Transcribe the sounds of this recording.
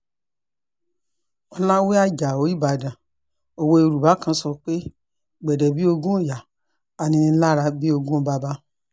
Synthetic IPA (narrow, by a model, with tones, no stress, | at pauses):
ɔ˧lã˦we˦a˦d͡ʒa˨o˨˦i˦˨ba˨dã˨ | o˧wo˧i˧ɾu˨ba˨˦kã˧˦sɔ˧k͡pe˦ | ɡ͡bɛ˨dɛ˨bi˦o˧ɡũ˦o˦˨ja˨ | a˨nĩ˧ĩ˧˦la˦ɾa˧bi˦o˧ɡũ˦o˧ba˧˦ba˧˦